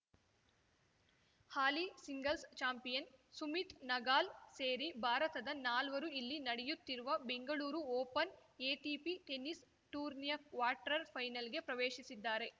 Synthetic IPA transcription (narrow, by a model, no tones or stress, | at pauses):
haːlisiŋɡɐlst͡ʃaːmpijɐnsumit̪nɐɡaːlseːɾibʱaːɾɐt̪ɐd̪ɐnaːlʋɐɾuilːinɐɽɛjut̪ːiɾuʋɐbe̞ŋɡɐɭuːɾuoːpɐneːʈiːpiʈe̞nis | ʈuːɾnijɐkʋaːʈɾɐɾpʰɐjnɐlɡe̞pɾɐʋeːʃisid̪ːaːɾe̞